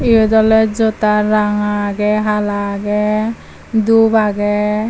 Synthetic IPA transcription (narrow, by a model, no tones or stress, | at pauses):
iud̪ɔlɛd͡ʒot̪aɾaŋaɡɛɦalaɡɛ | d̪ubaɡɛ